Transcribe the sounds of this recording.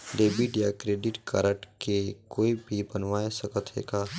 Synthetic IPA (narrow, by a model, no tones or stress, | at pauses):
ɖeːbiʈjakɾeːɖɪʈkaɾəʈkekoːibʱibənʋaːesəkət̪ɦḛːkaː